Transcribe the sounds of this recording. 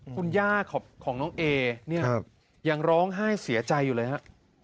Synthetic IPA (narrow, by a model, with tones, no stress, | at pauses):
kʰu˧njaː˥˩kʰːɔː˨˩p̚kʰɔː˩˦ŋnɔː˦˥ŋʔeː˧ni˥˩ɐ˧p̚ | ja˧ŋɾɔː˦˥ŋɦaː˥˩jsi˨˩˦t͡ɕa˧jːuː˨˩lɤː˧jha˦˥ʔ